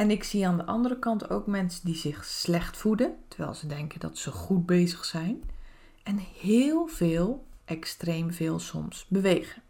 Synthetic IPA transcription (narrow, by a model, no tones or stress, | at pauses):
ɛnɪksiaːndəʔɑ̰ndəɾəkɑnto̰wkmɛnsəndizɪxslɛxtfudəntəɹʋɛ̰jlˠzədɛŋkəndɔ̰tsəɣut̚beːzəxsɛjn | ɛnhɪːlˠv̥ɪːlˠʔɛkstrejmvɪːlˠsɔ̰msbəʋeːɣən